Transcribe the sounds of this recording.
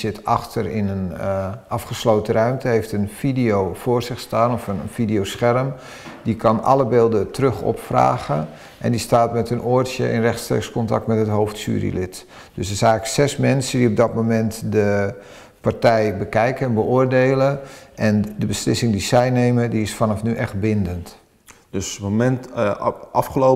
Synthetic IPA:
sɪtɑxtərɪnənɑfχəslowtərœɥmtəɦejftənfidijowfoːrzɪxstaːnɔfəfidiowsxɛrm | dikʰɑnɑ̰ləbɪːlˠdətrøxɔ̰pfra̰ːɣə | ʔɛ̰ndistaːtmɛtənʔoːrtsjə̰ʔɪ̰nrɛxtstrḛːkskɔntɑ̰k̚tmɛtɦətɦowftsy̰ːrḭlɪt | d̥øssɛjɣləksɛsmɛnsədiɔp̚dɔtmomɛntdə | partɛjbəkɛjkəɛnbəʊːrdeːləʔɛndəbəslɪsɪŋdisɛjneːmədiɪsfanɔfnyʔɛxt̚bɪndənt | døsmomɛnt | ɑfχəlo

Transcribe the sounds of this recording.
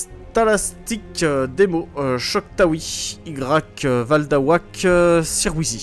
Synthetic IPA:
s | t̪alast̪ikd̪emoøʃɔkt̪awiiɡʁakvald̪awaksiʁwizi

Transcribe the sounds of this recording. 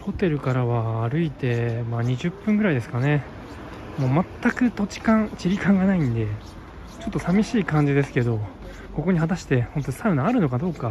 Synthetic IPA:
ho̞t̪e̞ɾɯ̟kaɾaβaːɾɯ̟it̪e̞maːɲ̟iʑɨpːɯ̟̃ŋɡɯ̟ɾaid̪e̞sɨ̥kane̞ | mo̞ːmat̪ːakɯ̟t̪o̞t͡ɕi̥kãt͡ɕiɾʲikãŋɡanaĩnd̪e̞ | t͡ɕo̞t̪ːo̞samʲiɕiːkãɲ̟d͡ʑid̪e̞sɨ̥ke̞d̪o̞ | ko̞ko̞ɲ̟ihat̪aɕi̥t̪e̞ho̞nt̪o̞saɯ̟naaɾɯ̟no̞kad̪o̞ːka

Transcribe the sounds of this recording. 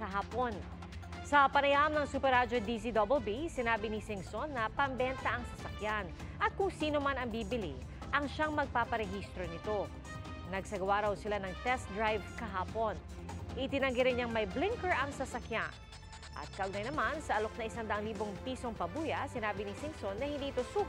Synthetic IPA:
kɐɦaːpo̞n | sɐpɐnɐjaʔɐmnɐŋsuːpɛɾad͡ʒod̪isid̪obɛlbisɪnaːbɪnisɪŋsonːɐpɐmbɛnt̪ɐʔɐŋsɐsɐkjan | ʔɐt̪̚kʊŋsiːno̞manɐŋbiːbɪlḭ | ʔɐŋʃaŋmɐɡ̚paːpɐɾɛhist̪ɾo̞nɪt̪o̞ | nɐɡsɐɡɐwaɾɐwsɪlanɐŋt̪ɛst̪̚d̪ɹajvkɐɦaːpo̞nʔɪt̪ɪnɐŋɡɪɾɪnɲɲaŋmɐjblɪŋkɛɹʔɐŋsɐsɐkja̰n | ʔɐ̰t̪̚kɐʔʊɡ̚nɐjnɐmansɐʔɐlo̞k̚nɐɪsand̪ɐʔɐŋliːbo̞ŋpiːso̞ŋpɐbuːjɐsɪnaːbɪnɪsɪŋsonːɐhɪ̃nd̪iːʔɪt̪o̞su

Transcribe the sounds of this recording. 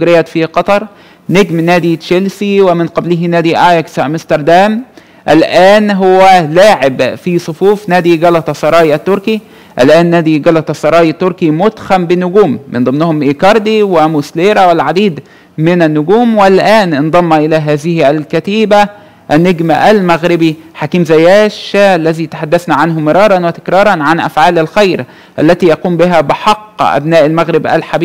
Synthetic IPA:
ɡɾɪjæt̪fiqɑt̪ˤɑɾˤ | neɡmnæːd̪iʃelsiwɪmɪnqɑbliɦinæːd̪iʔaːjksmɪst̪ɑɾˤd̪æːm | ʔælʔæːnɦʊwːælaːʕɪbfisˤofuːfnæːd̪iɡɑlɑt̪ɑsˤːɑɾˤɑːjʔæt̪ːʊɾki | ʔælʔæːnːæːd̪iɡɑlɑt̪ˤɑsˤːɑɾˤɑːjt̪ːʊɾˤkimʊd̪xæmbɪnʊɡuːmːɪnd̪ˤɨmnʊhʊmʔeːkɑɾˤd̪iwɪmusleːɾˤæwɪlʕad̪iːd̪ | mɪnænːʊɡuːmwɪlʔæːnʔɪnd̪ˤɑmːɑʔɪlæːɦæːðɪhælkæt̪iːbæ | ʔænːeɡmæʔælmæɣɾɪbiħakiːmzæjæːʃʔælːæðiːt̪ḁħad̪ːæθnæʕanɦʊmɪɾˤɑːɾˤɑnwɪt̪ɪ̥kɾˤɑːɾˤɑnʕanʔæ̰fʕaːlælxajɾ | ʔælːæt̪iːjɑquːmbɪɦæbɪħɑqːʔæ̰bnæːʔælmæɣɾɪbʔæ̰lħabiː

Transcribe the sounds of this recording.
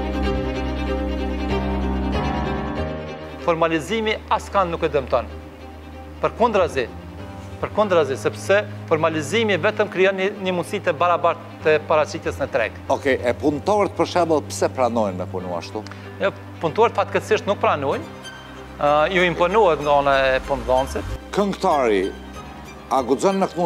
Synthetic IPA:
fɔɾmalizimiaskanːukɛd̪əmt̪ɔn | pəɾkund̪ɾazi | pəɾkund̪ɾazisɛpsɛ | fɔɾmalizimivɛt̪əmkɾiɔnɲəmunsit̪ɛbaɾabaɾt̪əpaɾat͡ʃit̪jɛsnət̪ɾɛ̰ɡɔkɛʔɛpunt̪ɔɾɛt̪̚pəɾʃɛbəlˠpsɛpɾanɔjnmɛpunua̰ʃt̪u | ɛ | punt̪ɔɾt̪fat̪kəsiʃt̪nuk̚pɾanujn | juimpɔnuhɛknd̪ɔnaɛpunðɔnsit̪kəŋɡt̪aɾi | aɡuzɔnmɛkmu

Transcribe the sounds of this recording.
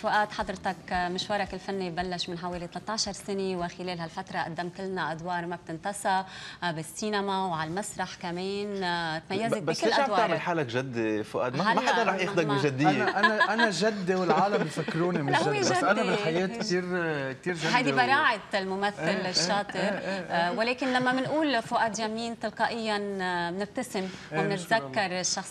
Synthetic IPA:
fʊʔaːt̪ħɑd̪ɾt̪ɑkmɪʃwɑɾˤɑkɪlfanːibalːaʃmɪnħaweːlit̪alat̪ˤːɑːʃɑɾˤsɪnewɪxɪleːlhalfat̪ɾˤɑʔa̰d̪ːamt̪ɪlnaʔad̪wɑːɾˤmab̚t̪ɪnt̪ɑsˤɑbɪsːiːnamawʕalmasɾˤɑħkameːnt̪majːazebaklɪleːʔʕamwːt̪aʕmɪlħaːlakʒad̪ːefʊʔa̰ːt̪maalmaħad̪ɑɾˤɾˤɑħjɪxd̪akbiʒad̪ːɪjːeʔanaʔannaʒad̪ːewɪlʕaːlambjfakːɾuːnimawadʔanabɪlħajeːt̪kt̪iːɾk̚t̪iːɾʒahajd̪ibɑɾˤɑːʕat̪lmʊmaθːalːɪʃːɑːt̪ˤɨɾwɪleːkɪnlamːamɪnʔuːlfʊʔaːd̪jamːiːnt̪ɨlqɑːʔɪjːannɪb̚t̪asɪmwɪmnɪt̪zakːɑɾˤɪʃːɑxsˤ

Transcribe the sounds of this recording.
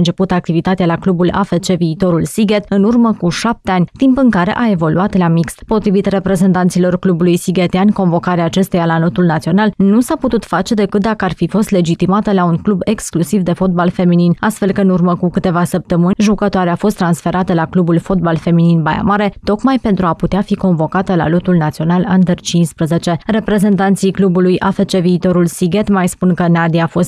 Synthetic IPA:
ɨnt͡ʃe̞put̪əak̚t̪ivit̪at̪ealaklubula̰fet͡ʃe̞viːt̪o̞ɾulsiɡet̪ɨnurməkuʃap̚t̪e̞anʲt̪impɨŋkaɾe̞̰ʔae̞vo̞luat̪lamikspo̞t̪ɾivit̪re̞pɾe̞zent̪ant̪silo̞rklubulujsiɡet̪eanʲko̞nvo̞kaɾeaːt͡ʃe̞st̪ejalano̞t̪ulnat̪sio̞nalnusaput̪ut̪fat͡ʃe̞d̪e̞kɨt̪̚d̪akəarfifo̞st̪le̞d͡ʒit̪imat̪əlauŋklube̞ksklusivd̪e̞fo̞t̪̚balfe̞mininast̪fe̞lkəɨnurməkukɨt̪e̞vasəp̚t̪əmɨnʒukət̪oaɾeafo̞st̪ːɾansfe̞ɾʔat̪əlaklubulfo̞t̪̚balfe̞mininbaja̰maɾe̞t̪o̞kmajpe̞nt̪ɾuaput̪eafiko̞nvo̞kat̪əla̰lot̪ulnat̪sio̞naland̪ert͡ʃinspɾəze̞t͡ʃe̞re̞pɾe̞ze̞nt̪ant̪sijklubulujʔafet͡ʃe̞viːt̪o̞ɾulsiɡe̞t̪majspunkənad̪iafo̞st̪

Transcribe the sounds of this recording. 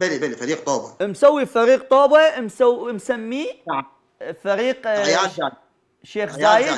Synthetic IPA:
bɪlibalifaɾiːq̚t̪ˤoːba̰msawːifaɾiːq̚t̪ˤoːbamsamsamːi | faɾiːqaa | ʃeːxzaːjɪ

